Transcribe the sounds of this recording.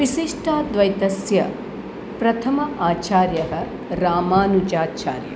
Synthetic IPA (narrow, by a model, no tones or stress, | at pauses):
ʋiʃiʂʈaːd̪ʋɐjt̪ɐsjɐ̰ | pɾɐt̪ʰɐmɐʔaːt͡ʃaːɾjɐɦɐ̆ | ɾaːmaːnud͡ʒaːt͡ʃa̰ːɾjɐ̰